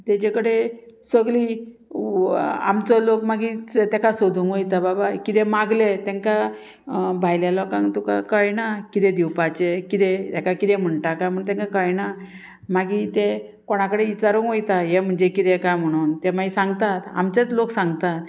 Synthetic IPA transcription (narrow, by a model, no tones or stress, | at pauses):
t̪at͡ɕekəɽesəɡliː | a̰mt͡sɔlokmaɡit̪ɛkasod̪ʱuŋkɦojt̪ababakit̪ɛmaɡlet̪ɛ̃ŋka | bʱajljalɔkãŋt̪uka̰kajnakit̪ɛd̪iwpat͡ɕekit̪et̪ɛkakit̪ẽm̤əɳʈakam̤əɳt̪ɛ̃ŋkakajna | maɡit̪e | koɽ̃akəɽeit͡ɕaɾũŋɦojt̪ajem̤əɳd͡ʑekit̪ɛkam̤əɽ̃uːnt̪emaisãŋɡt̪at̪a̰mt͡ɕat͡sloksãŋɡt̪at̪